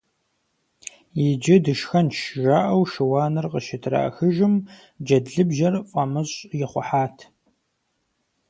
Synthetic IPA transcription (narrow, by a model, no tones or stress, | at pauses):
jɪd͡ʒɐdɨʃxɐnʃʒaːʔɐwʃɪwaːnɨrqəʃɪtʰra̰ːxɨʒɪm | d͡ʒɐdɮɨbʒɐrfʼɐmɨɕʼjɪχʷʊħaːtʰ